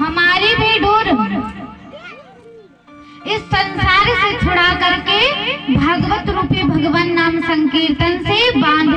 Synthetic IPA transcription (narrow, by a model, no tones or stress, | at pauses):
ɦɐmaːɾibʱeːɖʱoːɾ | ɪsːɐ̃nsaːɾset͡ʃʰʊɽakɐɾkebʱaːɡʋət̪ɾupjəbʱɐɡʋənːaːmsɐ̃ŋkeːt̪ənsebãːnd̪ʱ